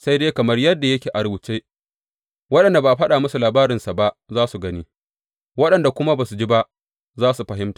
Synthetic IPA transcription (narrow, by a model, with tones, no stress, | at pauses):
sa˦jdeː˦kɐ˨mɐ˦rjɐ˦dːa˨jɐ˦kʲeː˨ʔa˨ɾʊ˨buː˨t͡ʃeː˦ | wɐ˦ɗɐ˨nda˨baː˨ɸɐ˦ɗaː˨mʊ˦su˨laː˨baː˦ɾɪ˨nsa˨ba˦ʔzaː˦su˨ɡɐ˦niː˦ | wɐ˦ɗɐ˨nda˨kʷʊ˦ma˦baː˨su˨d͡ʒi˦ba˦ʔ | zaː˦su˨ɸɐ˨ɦɪ˦mtḁː˨